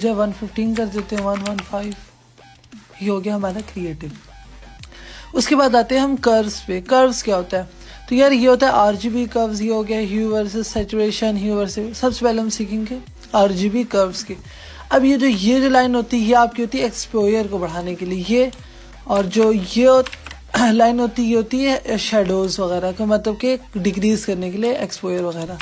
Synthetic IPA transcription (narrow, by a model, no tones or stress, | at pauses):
d͡ʒaɛʋɐnfɪfʈĩːnk̬ɐɾd̪eːt̪eɦɛ̃ʋɐnʋɐnfʰaːɪʋ | jeɦoːɡejaɦɐmaːd̪akɾieːʈɪʋ | ʊskebaːd̪aːt̪ẽɦɛ̃ɦɐ̃mkɐɾzpekɐɾʋzkjaɦoːt̪aɦɛ | t̪ojɐɾjeɦoːt̪aɦɛʔaːɾd͡ʒiːbikɐɾʋzjeɦoːɡɛaɦɛɦjuːʋəɾs̬sɛːt͡ʃuɾeːʃənɦjuːʋəɾsesɐbsepɛːleɦɐmsiːkʰɪ̃ːŋɡe | aːɾd͡ʒiːbikɐɾʋzki | ɐbjed͡ʒoːjed͡ʒolaːɪnɦoːt̪iɛjeaːp̚kiɦoːt̪iɛːkspoːjəɾkobɐɽ̤aːnekelieje | ɔːɾd͡ʒoːjeo | laːɪnɦoːt̪ijeɦoːt̪iɦɛʃɛːɖoːzʋɐɣɛːɾakomɐt̪ləb̚keɖɪɡɾiːzkɐɾnekelieʔekspoːjəɾʋɐɣɛːɾa